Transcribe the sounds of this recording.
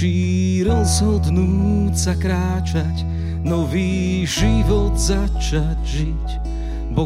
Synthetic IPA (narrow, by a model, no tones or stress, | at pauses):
iː | ɾɔzɦɔd̪nuːsakɾaːt͡ʃac | nɔviː | ʒiʋɔd̪za | t͡ʃaɟʒic | bɔ